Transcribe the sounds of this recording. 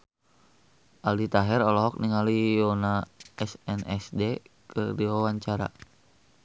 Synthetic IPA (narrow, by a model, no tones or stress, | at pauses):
ʔaldit̪aɦɛɾɔlɔɦɔk̚niŋalijɔnaɛsɛnʔɛsdekɨdiwawaɲt͡ʃaɾa̰